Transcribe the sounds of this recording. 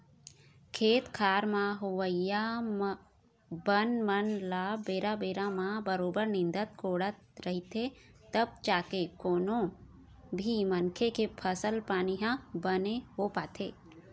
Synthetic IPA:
kʰeːt̪kʰaːɾmãɦʊʋəjam | bənmənlaːbeːɾabeːɾãmãbəɾoːbəɾnɪ̃nd̪ət̪̚kʰoːɽət̪ɾəɦit̪et̪əb̚t͡ʃaːkekoːnõ | bʱimənkʰekepʰəsəlpaːniɦãbəneɦopaːt̪ʰeː

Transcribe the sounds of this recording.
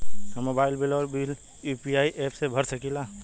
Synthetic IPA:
mobaːilbilɔɾbil | jupiaːiʔepʰsebʱəɾsəkila

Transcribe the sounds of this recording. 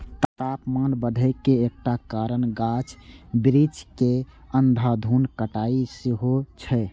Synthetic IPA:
t̪ət̪apmanbəd̪ʱəɪkeːk̚ʈakaɾənɡat͡ʃʰbɾit͡ʃke | ənd̪ʱad̪ʱunkəʈaisiɦot͡ʃʰɛ

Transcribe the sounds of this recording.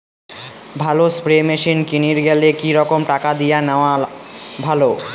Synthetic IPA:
bʱalospɾemeʃinkiniɾɡɛlekiɾɔkomʈakad̪ijanaoabʱalo

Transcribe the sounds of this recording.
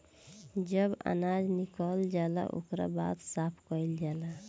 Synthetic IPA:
d͡ʒəba̰nad͡ʒnikəld͡ʒala̰ʔo̰kɾa̰ba̰t̪sapʰkəild͡ʒala

